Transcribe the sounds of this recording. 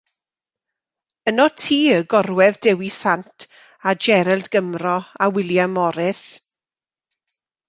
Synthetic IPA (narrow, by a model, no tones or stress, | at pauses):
ənɔtʰiːəɡɔrwɛðdɛwisantʰ | ad͡ʒɛɾɛlˠdɡəmrɔawɪlˠjamːɔɾɪθ